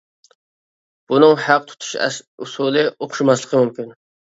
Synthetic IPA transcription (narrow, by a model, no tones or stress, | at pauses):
b̥unɨŋhæq̚t̪ʰu̥t̪ʰu̥ʃusulˠɨʔoχʃumɑslˠəqʰəmumkʲyn